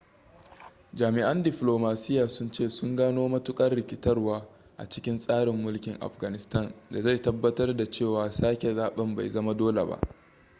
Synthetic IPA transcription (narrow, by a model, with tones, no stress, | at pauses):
d͡ʒaː˨mɪ˨ʔɐ˦ndɪ˨ɸloː˨maː˨sɪ˦jːaː˨sʊ˦nt͡ʃeː˦˨sʊ˦ŋɡaː˦noː˦mɐ˦tʊ˦kʼɐ˦rɽɪ˨kʲɪ˦tɐ˦rwaː˦ | ʔa̰˨t͡ʃɪ˦kʲɪ˦nsʼaː˦ɽɪ˨mːʊ˦lkʲɪ˨ŋʔa̰˨ɸɡa˨nɪ˨stɐ˦˨nda˨za˦˨tɐ˦bːɐ˦tɐ˦rda˨t͡ʃeː˦˨waː˨saː˦kʲe˨zaː˨ɓɐ˦mba̰˨jzɐ˦ma˦doː˦lḛ˨ba̰˦ʔ